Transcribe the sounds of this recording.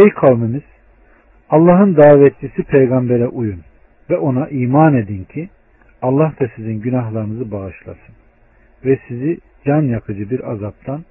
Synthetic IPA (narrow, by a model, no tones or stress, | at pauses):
ejkʰalˠmɯmiz̥ | ɑlˠːaɦɯnd̪aːvɛt̪̚d͡ʒisipʰejɡambeɾɛʔujun | vɛʔo̞naʔiːmaːne̞d̪incʰi | alˠːahd̪asizinɟynaɦlˠaɾɯnɯzɯbaɣɯʃlˠa̰sɯn | vɛsizi | d͡ʒanjakʰɯd͡ʒɯbiɾazap̚t̪ʰan